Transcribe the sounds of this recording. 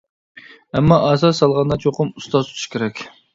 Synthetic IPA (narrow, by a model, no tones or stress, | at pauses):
ɛmːɑʔɑzɑsɑlˠʁɑnd̪ɑt͡ʃʰoqʰʊmust̪ɑzut̪ʰu̥ʃkʲʰeɾɛkʲ